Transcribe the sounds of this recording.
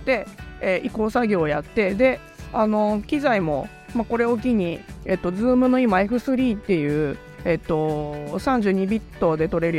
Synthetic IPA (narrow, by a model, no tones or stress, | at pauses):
d̪̥e̞eʔiko̞ːsaɡʲo̞ːjat̪ːe̞d̪e̞ | ano̞kʲizaimo̞ | mako̞ɾe̞ok̬ʲiɲ̟iet̪ːo̞d͡zɨːmɯ̟no̞imaiɸɯ̟sɨɾʲiːt̪ːe̞jɯ̟ː | e̞t̪ːo̞sãɲ̟d͡ʑɨːɲ̟ibʲit̪ːo̞d̪e̞t̪o̞ɾe̞ɾɯ